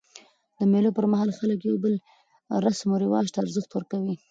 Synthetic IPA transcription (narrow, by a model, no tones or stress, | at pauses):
d̪əmelopəɾmaɦɑlxaləkjawbəl | ɾasmoɾɪwɑʒt̪aaɾzəxt̪wəɾkawi